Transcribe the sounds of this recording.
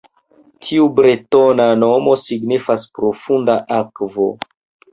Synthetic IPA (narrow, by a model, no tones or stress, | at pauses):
tʰiubɾetonano̞mo̞siɡnifaspɾo̞fundaʔakvo